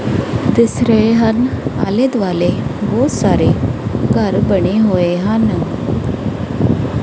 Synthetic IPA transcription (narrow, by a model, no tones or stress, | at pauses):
d̪əsɾeɦana̰led̪ʋalebosaɾekaɾbəɳeɦoeɦãnə